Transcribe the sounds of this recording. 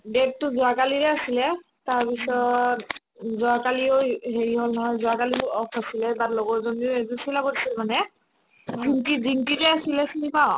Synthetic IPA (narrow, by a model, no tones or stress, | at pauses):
detːʊzʊakaliɹɛasilɛ | taɹpisɔt | zʊakalioɦeɹiɦolnɔɦɔjzʊakaliɔpʰasilɛbatlɔɡɔzonioezusilabodisilmanɛ | ziŋkiziŋtiɹɛasilɛsunipaw̃